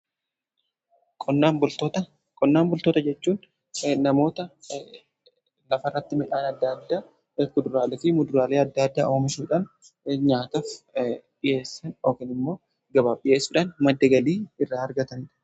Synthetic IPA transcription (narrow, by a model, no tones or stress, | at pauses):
kʼɔabʊt̪ot̪ɐ | kʼɔnːaːmbʊlt̪ot̪ɐd͡ʒɛt͡ʃːuːn | nɐmo̞ːt̪ɐ | lɐfɐrːɐt̪ːɪmɪᶑaːnɐd̪ːɐd̪ːaː | kʊd̪ʊɾaːlɛfɪmʊd̪ʊɾaːleːɐd̪ːɐɐd̪ːaːʔo̞ːmɪʃuːᶑaːn | ɲaːt̪ɐːfᶑɪje̞ːsːɐno̞ːkɪnɪmːo̞ː | ɡɐbaːbɪje̞ːsːuːᶑaːnmɐd̪ːɐɡɐliːɪrːaːɐɾɡɐt̪ɐnɪᶑɐ̥